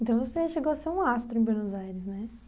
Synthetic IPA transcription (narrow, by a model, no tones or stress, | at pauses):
ẽnt̪ɐ̃w̃voseʃeɡowɐseɾũast̪ɾʊẽbwenozajɾɪsnɛ